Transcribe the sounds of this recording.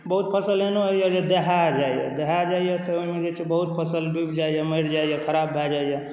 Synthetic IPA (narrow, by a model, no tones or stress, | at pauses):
bəɦut̪̚pʰəsəlenoɦoijɛd͡ʒed̪eɦad͡ʒaijɛ̰d̪eɦad͡ʒaijɛt̪ɔoimed͡ʒet͡ʃʰebəɦut̪̚pʰəsəlbibd͡ʒaijɛməɪɾd͡ʒaijɛkʰəɾabːʱad͡ʒaijɛ